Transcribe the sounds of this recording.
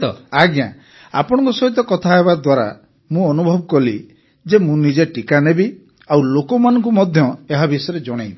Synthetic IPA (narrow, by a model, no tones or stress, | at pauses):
t̪ɔ̰aɡjã̰ | a̰pɔɽ̃ɔ̃ŋkusɔɦit̪̬ɔkɔt̪ʰaɦebad̪waɾa̰ | mũɔnubʱɔbɔkɔli | d͡ʒemũnid͡ʒeʈikanebi | awlokɔmanɔ̃ŋkumɔd̪ʱjɔeɦabisɔjɔɾed͡ʒɔɽ̃eji